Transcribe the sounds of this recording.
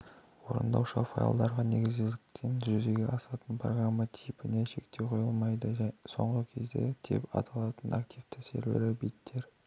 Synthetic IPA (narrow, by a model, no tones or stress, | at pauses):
woɾə̰nd̪ɑ̰wʃɑfa̰ja̰lˠd̪ɑɾʁɑne̞ɡʲɪzɡɪlɪk̚t̪ʰe̞nʒʏzeɡʲeʔɑsɑt̪ənpro̞ɡɾamːat̪ʰijpɪneʃe̞kt̪ʰe̞qʰo̞jəlˠmɑjd̪əso̞̰ɴʁəkʲʰe̞zd̪e̞̰t̪ʰḛpɑ̰t̪ʰɑlˠɑt̪ənʔakt̪ijft̪ɪ̥sḛɾwḛɾɪbijt̪ʰːe̞ɾ